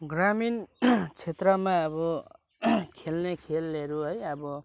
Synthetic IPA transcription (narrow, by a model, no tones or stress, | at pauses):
ɡramint͡sʰet̪rʌmãʌbʌ | kʰelnekʰelːeɾuɦʌjʌbʌ